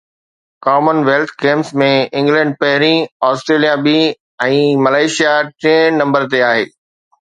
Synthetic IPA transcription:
kaːmənʋeːlt̪ʰkẽːmsmẽɪ̃ŋɡlɛ̃ːɳɖ̚pɐɦɪɾĩɔːsʈɾeːlijabi | ɛ̃ːmɐlaːɪʃijaʈɾẽːnɐ̃mbəɾt̪eaːɦeː

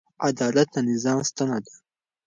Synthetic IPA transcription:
ad̪ɑlat̪ːanɪzɑːmst̪anad̪ḁ

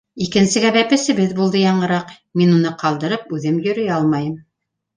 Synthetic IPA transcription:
ikɘ̆nsɘ̆ɡæbæpɘ̆sɘ̆βɘðbulˠd̪ɤjɑɴɤ̆ɾɑq | minunɤqɑlˠd̪ɤ̆ɾɤp̚ʉðɘmjɵ̆ɾɵ̆jɑlˠmɑjɤm

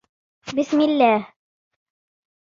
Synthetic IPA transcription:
bɪsmilːæh

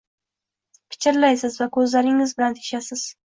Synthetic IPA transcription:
pʰɪ̥t͡ʃʰɪɾlajsɪzvakʰɵzlaɾɪŋɪzbɪlant̪ʰe̥ʃasɪz̥

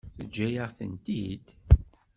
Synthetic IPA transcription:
θəd͡ʒːæjəʁθə̰nt̪id̪

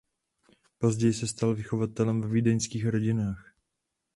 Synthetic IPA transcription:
po̞zɟɛjɪsɛst̪alvɪxo̞vat̪ɛlɛmvɛviːdɛɲskiːxɾo̞ɟɪnaːx

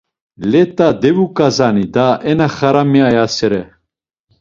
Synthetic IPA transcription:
lɛt̪ʼad̪ɛvukʼazanid̪aʔɛnaχaɾamiajasɛɾɛ

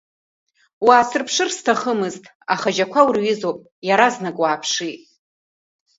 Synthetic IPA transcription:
waːsɨrpʰʂɨrstʰaχəmɨztʼ | aχaʒakʷʰawrɥizopʼ | jaɾaznakʼwaːpʰʂitʼ

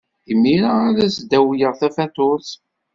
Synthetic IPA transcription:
imːiɾaːɾæsd̪æwjəʁθæfæt̪ʊɾθ

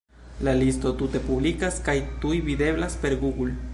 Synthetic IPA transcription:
lalisto̞t̪ute̞publikaskajt̪ujvid̪e̞blaspe̞ɾɡuɡul

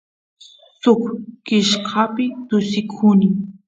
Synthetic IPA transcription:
sʊkkɪʃqʰɑpɪt̪ʊsɪkʰunɪ

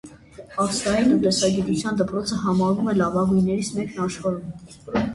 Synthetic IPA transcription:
ɑfst̪ɑɾinud̪ɛsɑɡit̪ut͡sʰjɑnd̪əpɾɔt͡sʰəɦɑmɑɾvumɛlɑvɑɡujnːɛɾisʰmɛknɑʃχɑɾum

